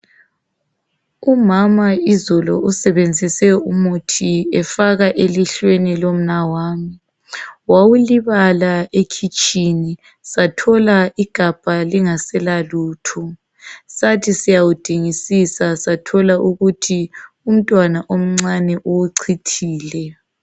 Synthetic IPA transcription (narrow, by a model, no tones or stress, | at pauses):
umamaizɔlɔ̰usɛβend͡zʱisɛumutʰiɛfaɣaʔeliɬwenilom̩nawaːmi | wawuliβalaekʰit͡ʃʼini | satʰɔlaiɡ̥ʱab̥ʱaliŋasɛlaluːtʰɔ | satʰisijawud̥ʱiŋisisasatʰɔlaʔuɣutʰi | um̩tʼwanaʔom̩ŋ͡ǀanɛʔuwuǀʰitʰiːlɛ